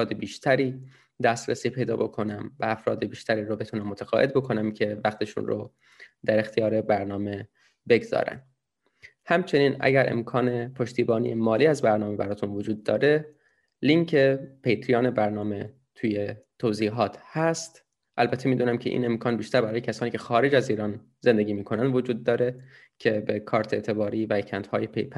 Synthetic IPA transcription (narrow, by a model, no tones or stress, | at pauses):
ɾɒːd̪ebiːʃt̪ʰæɾiː | d̪æst̪ɾesiːpʰe̞jd̪ɒ̰ːbo̞kʰo̞næmvæːfɾɒ̰ːd̪ebiːʃt̪æɾiːɾobe̞t̪ʰunæmːot̪ʰæɣɒ̰ːʔe̞d̪̚bo̞kʰo̞næmcʰe̞væxt̪ʰe̞ʃṵnro | d̪æɾe̞xt̪ʰijɒːɾe̞bæɾnɒːme̞ | be̞ɡzɒ̰ːɾæ̰n | hæmt͡ʃʰe̞niːnʔæ̰ɟæɾʔe̞̰mkʰɒːne̞pʰo̞ʃt̪ʰiːbɒːnḭjemɒːliːæzbæɾnɒːme̞bæɾɒːt̪ʰunvod͡ʒuːd̪ːɒːɾe̞ | liŋcʰe̞pʰejt̪ʰɾijɒːne̞bæɾnɒːme̞ | t̪ʰuːjet̪ʰoziːɦɒːt̪ʰhæst̪ | ʔælbæt̪ʰːe̞miːd̪uːnæmcʰeʔḭːne̞mkʰɒːnbiːʃt̪æɾbæɾɒːjecʰæsɒːniːcʰexɒːɾe̞d͡ʒæziːɾɒːn | zend̪e̞ɟʲiːmiːkʰo̞nænd̪vo̞d͡ʒuːd̪̚ːɒːɾe̞ | cʰe̞be̞kʰɒːɾt̪ʰe̞ːt̪ʰe̞bɒːɾiːvæcʰænt̪hɒːjepʰejpʰ